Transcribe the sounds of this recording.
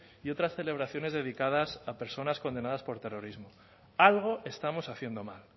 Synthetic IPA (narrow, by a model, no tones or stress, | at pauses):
io̞t̪ɾasθe̞le̞β̞ɾaθjone̞zðe̞ðikað̞asape̞ɾso̞nasko̞nd̪e̞naðaspo̞ɾt̪e̞ro̞ɾizmo̞ | alɣ̞o̞ʔe̞st̪amo̞saθje̞nd̪o̞mal